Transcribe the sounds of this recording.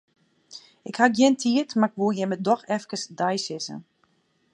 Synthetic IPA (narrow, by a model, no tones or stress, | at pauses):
ɪkhaɡjɛntʰiətmaɪkʋulˠjɛmədɔxɛfkəsdajsɪsə̰